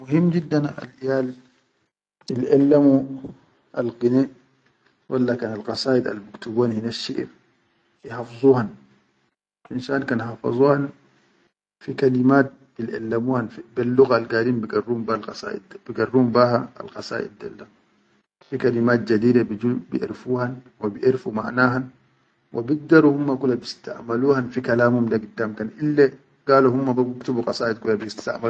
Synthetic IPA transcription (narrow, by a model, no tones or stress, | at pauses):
muɦimːd͡ʒid̪ːana̰lʔijaːl | ilʔalːamu | ʔalɡine | wʔalːakaːnalqɑsɑːʔid̪a̰lbukt̪uɡwaːnhinaʃːiʔɾ | ihɑfzˤuːhan | ʔinʃaːnkaːnhɑfɑ̰zˤuhan | fikalimaːt̪̚b̥ilʔa̰lːamuːhanbilːuɣalɡaːdiːmbiɡarːuːmbalsdb̥iɡarːuːmbahaa̰lqɑsa̰ːʔḭd̪ːa̰lːa | fikalimaːt̪̚d͡ʒad̪iːd̪abiubḭʔḭɾfuːhan | wabiʔiɾfuma̰ʕnaːɦan | wʔa̰biɡ̚d̪aɾuhumːakulːabist̪a̰ʔmaluːhanfikalaːmhumdaɡid̪ːaːmkanʔilːa | ɡ̥aːluhumːababukt̪ubuqɑsaːʔid̪̚kulːabst̪a̰ʔmal